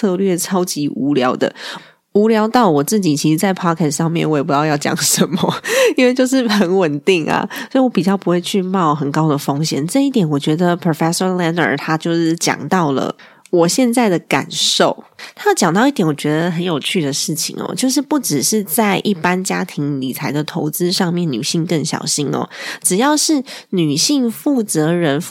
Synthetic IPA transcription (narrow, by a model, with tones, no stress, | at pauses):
t͡sʰɤ˥˧lɥɛ˥˩ʈ͡ʂʰɑ˥ʊt͡ɕi˧˥ʔu˧˥ljɑ˧˥ʊd̪ə̰˧˨ | u˧˥ljɑ˧˥ʊt̪ɑ˥˩ʊwɔ˨˩t͡sɹ̩˥˩t͡ɕi˨˩t͡ɕʰi˧˥ʂɻ̩˧˥t͡sa˥˩ɪpʰɑ˥kʰɛ˥˩sʂɑ˥˧ŋmjɛ̰˥˩˨nwɔ˧˥jpu˧˥t̪ɑ˥˧jɑ˥˩ʊt͡ɕjɑ̰˨˩ŋʂə˧˦nmə˦i˥nwe˥˧ɪt͡ɕjo˥˧ʊʂ̬ɻ̩˥˩xə˧˦nwə˨˩nt̪i˥˩ŋa̰˨sɔ˧˥i˨wɔ˧˦pi˨˩t͡ɕjɑ˥˩ʊpu˧˥xwe˥˧ɪt͡ɕʰy˥˧mɑ˥˩ʊxə˨˩nkɑ˥ʊd̪ə˨fɑ˥ŋɕjɛ̰˨˩nʈ͡ʂɤ˥˧i˥˩t̪jɛ˨˩˦nwɔ˨˩t͡ɕɥɛ˧˥d̪ə˧pʰɹo˨˩fɛ˥ʂɔ˥nlɛ˥nə̰˞˨˩t̪ʰa˥t͡ɕjo˥˧ʊʂɻ̩˥˩t͡ɕjɑ̰˨˩ŋt̪ɑ˥˩ʊlə̰˩ | wɔ˨˩ɕjɛ˥˧nt͡sa˥˩ɪd̪ə˩ka̰˨˩nʂo˥˩ʊt̪ʰa˥˩t͡ɕjɑ˨˩ŋt̪ɑ˥˧ʊi˥˩t̪jɛ˧˥nwɔ˨˩t͡ɕɥɛ˧˥d̪ə˧ɦə˧˥njo˨˩ʊt͡ɕʰy˥˩d̪ə˩ʂɻ̩˥˩t͡ɕʰḭ˨˩ŋɔ̰˩t͡ɕjo˥˧ʊʂ̬ɻ̩˥˧pu˥˩ʈ͡ʂɻ̩˨˩ʂɻ̩˥˧t͡sa˥˧ɪʔi˥˩pa˥nt͡ɕja˥t̪ʰi˧˥ŋli˨˩t͡sʰa˧˥ɪd̪ə˨t̪ʰo˧˥ʊt͡sɹ̩˥ʂɑ˥˧ŋmjɛ˥˩nny̰˨˩ɕi˥˧ŋkə˥˩ŋɕjɑ̰˨˩ʊɕi˥nɔ̰˦ʈ͡ʂɻ̩˨˩jɑ˥˧ʊʂɻ̩˥˩ny˨˩ɕi˥˧ŋfu˥˩t͡sɤ˧˥ɻə˧˥n